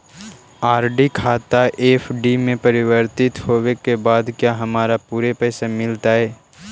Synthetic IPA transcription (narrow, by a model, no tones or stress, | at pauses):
aːɾɖikʰaːt̪aʔeːfʰɖimẽpɐɾɪwəɾt̪ɪt̪ɦoːwekebaːd̪kjaːɦɐmaːɾapuːɾepɛːsamɪlt̪aɦɛː